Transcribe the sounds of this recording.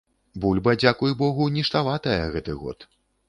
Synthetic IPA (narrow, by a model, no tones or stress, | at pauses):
bulʲbɐd͡zʲakujbɔɣunʲiʂt̪avat̪ɐjɐ̰ɣɛt̪ɨɣɔ̰t̪